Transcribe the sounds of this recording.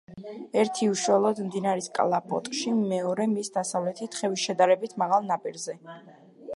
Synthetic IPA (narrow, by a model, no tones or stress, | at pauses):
ɛɾt̪ʰiuʃuɛlˠɔd̪md̪inaɾiskʼlˠapʼɔ̰t̪ʼʃimɛɔɾɛmisd̪asavlɛt̪ʰit̪χɛvisʃɛd̪aɾɛbit̪ʰmaʁalˠnapʼiɾzɛ